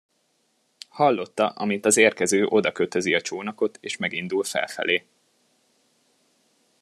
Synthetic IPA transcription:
hɒlːo̞t̪ːɒʔɒmint̪ɒzeːrkɛzøːʔo̞d̪ɒkøt̪ø̞ziɒt͡ʃoːnɒko̞t̪eːʃmɛɡin̪d̪ulfɛ̰lfɛ̰leː

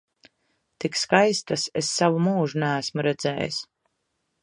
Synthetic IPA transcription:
t̪ikskajst̪asesːavumuːʒunæːsmuɾɛd̪zɛ̰ːj̰s

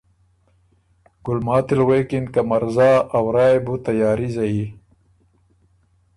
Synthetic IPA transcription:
ɡ̥ulmaːt̪ilweːkinkɐmɐɾzaːɐwɾaːebut̪ɐjaːɾizɐi

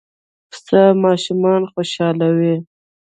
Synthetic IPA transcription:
samɑʃumɑnxoʃɑlawi

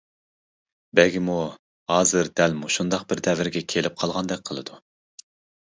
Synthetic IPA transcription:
bɛɡʲimu | hɑːzɨɾd̪ɛlmuʃund̪ɑqbɪɾd̪ɛvɪɾɡʲɛkʲʰelɪp̚qʰɑlˠʁɑnd̪ɛk̚ʲqʰəlˠɨd̪u

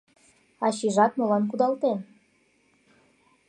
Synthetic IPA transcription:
ɑɕiʒɑt̪̚molɑnk̬ud̪ɑlt̪en

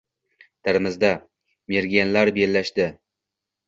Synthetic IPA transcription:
t̪ʰɪɾɪmɪzd̪a | meɾɡʲijanlaɾbelːaʃd̪ɪ

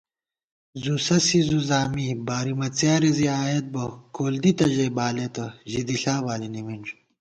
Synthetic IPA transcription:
zusɐsizuzaːmibaːɾimɐt͡sjaːɾiziaːjet̪̚bɐkʰoːld̪it̪ɐʑebaːlet̪ɐʑid̪iɬaːbaːliniminʐ

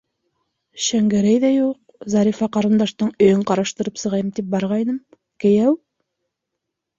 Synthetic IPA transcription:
ʃæŋɡæɾæjðæjuq̚ | zɑɾifɑqɑɾɤ̆nd̪ɑʃt̪ɤɴɵ̆jɵɴqɑɾɑʃt̪ɤ̆ɾɤpsɤ̆ʁɑjɤmt̪ip̚bɑɾʁɑjnɤm | kɘ̆jæw

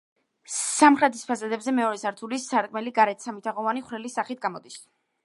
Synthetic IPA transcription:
samχɾɛt̪ʰispʰazad̪ɛbzɛmɛɔɾɛsaɾt̪ʰulisaɾt̪kʼmɛliɡaɾɛt̪ʰsamit̪ʰaʁɔvaniχwɾɛlisːaχit̪̚ʰɡamɔd̪is

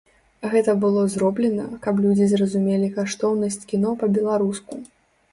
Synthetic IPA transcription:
ɣɛt̪ɐbɨlˠɔzɾɔblʲɛnɐkɐplʲud͡zʲizrɐzumʲelʲikaʂt̪ɔwnɐsʲt͡sʲkʲinɔpɐbʲɛlˠaɾusku

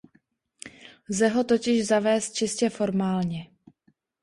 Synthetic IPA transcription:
lzɛɦo̞t̪o̞cɪʒzavɛːst̪̚t͡ʃɪscɛfo̞ɾmaːlɲɛ

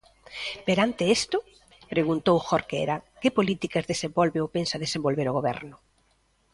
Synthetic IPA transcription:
peɾant̪ɪest̪ʊ | pɾeɣunt̪owxoɾkḛɾɐkepolit̪ikazðesembɔlβeopensaðesembolβeɾoɣ̞oβɛ̰ɾnʊ

